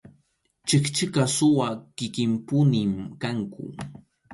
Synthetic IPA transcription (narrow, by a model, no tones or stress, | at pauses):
t͡ʃɪkt͡ʃɪkasʊwakɪkɪmpʊnɪmkaŋkʊ̰